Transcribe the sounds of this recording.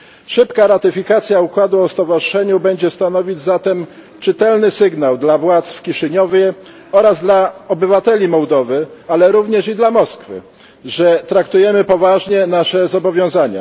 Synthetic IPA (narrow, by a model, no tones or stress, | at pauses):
ʂɘpkaɾat̪ɘfʲikat̪sʲjaukwad̪uɔst̪ɔvaʐɘʂɛɲubɛɲd͡ʑɛst̪anɔvʲid͡ʑzat̪ɛm | t͡ʂɘt̪ɛlnɘsɘɡnawd̪lavwat̪sfkʲiʂɘɲɔvʲjɛ | ɔɾazd̪laɔbɘvat̪ɛlʲimɔwd̪ɔvɘalɛɾuvɲɛʂid̪lamɔskfɘ̰ | ʐɛt̪ɾakt̪ujɛmɘpɔvaʐɲɛnaʂɛzɔbɔvʲjɔ̃w̃zaɲa̰